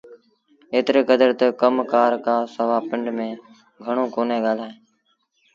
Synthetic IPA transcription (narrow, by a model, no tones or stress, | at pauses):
eːt̪ɾeːkəd̪əɾt̪əkəmkaːɾkaːsəʋaːpɪɳɖmẽː | ɡʱəɳõːkoːneːɠaːlaːɦeː